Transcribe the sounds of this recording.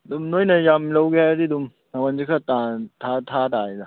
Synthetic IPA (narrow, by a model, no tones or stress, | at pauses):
dumnojnɐjamlɐwɡeaaɾidum | nawanzikʰatatʰatʰadajna